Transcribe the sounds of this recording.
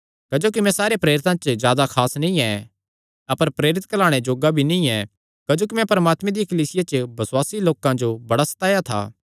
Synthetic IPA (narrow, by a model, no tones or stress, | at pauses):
kɐd͡ʒoːk̬imɛ̃saːɾepɾeːɾɪt̪ãt͡ʃzjaːd̪akʰaːsnĩɛ̃ | ɐpəɾpɾeːɾɪt̪̚kɐlaːɽ̃ed͡ʒoːɡabʱinĩɛ̃ | kɐd͡ʒoːkimɛ̃pɐɾəmaːt̪mẽd̪ijkəliːsɪjat͡ʃəbɐswaːsiloːkãd͡ʒobɐɽasɐ̥t̪aːjat̪ʰa̰ː